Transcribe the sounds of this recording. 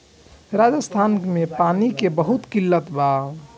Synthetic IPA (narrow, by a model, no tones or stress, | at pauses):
ɾad͡ʒəst̪ʰanmepanikebəɦut̪kilːət̪ba